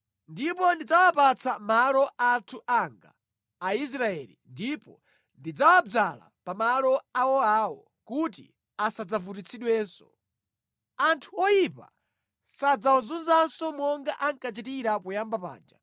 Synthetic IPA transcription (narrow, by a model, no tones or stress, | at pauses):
ndipɔndid͡zawapat͡sʰamalɔʔatʰuʔaŋɡa̰ː | is̬ɾaɛlḭndipɔ | ndid͡zawad͡zala̰pamalɔawɔawɔ | kutḭ | asad͡zavut̬it͡sʰiɗwɛːnsɔ̥̰ | antʰuɔjipa̰ | sad͡zawɔzunzansɔmɔŋɡaʔaŋkat͡ʃitiɾapujambapa̰ːnd͡ʒa̰